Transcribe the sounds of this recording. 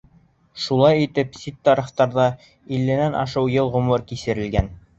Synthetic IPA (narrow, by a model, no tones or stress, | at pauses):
ʃulˠɑjit̪ɘpsit̪ːɑɾɤ̆χt̪ɑɾðɑ | ilːɘ̆nænʔɑ̰ʃɤwjɤlˠʁŏmɤɾkisɘ̆ɾɘ̆lɡæn